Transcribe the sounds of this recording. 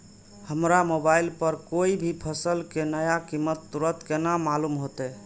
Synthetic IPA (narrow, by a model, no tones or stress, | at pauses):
həmɾamobailpəɾkoibʱipʰəsəlkenəjakimːət̪ːuɾət̪kenamalumɦot̪ɛ